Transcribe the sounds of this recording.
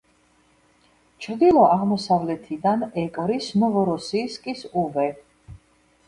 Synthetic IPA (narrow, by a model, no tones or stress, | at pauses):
t͡ʃʰɾd̪ilˠɔʔaʁmɔsavlɛt̪ʰid̪anɛkʼɾisnɔvɔɾɔsiːskʼisuvɛ